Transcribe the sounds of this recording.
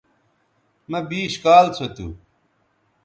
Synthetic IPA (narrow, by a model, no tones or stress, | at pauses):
mɐbiːɕkaːlt͡sʰot̪ṵː